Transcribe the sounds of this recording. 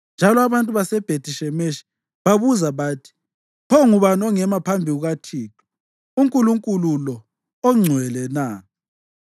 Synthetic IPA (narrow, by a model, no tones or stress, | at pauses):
nd͡ʒʱalɔaβantʼuβasɛb̥ʱetʼiʃɛmeʃi̥ | βaβuzaβaːtʰi̥ | pʰɔŋuβanɔŋɛmapʰambʱiɣuɣatʰiːtʰɔ̥ | uŋkʼuluŋkʼululɔ | ɔŋ͡ǀʱwɛlɛna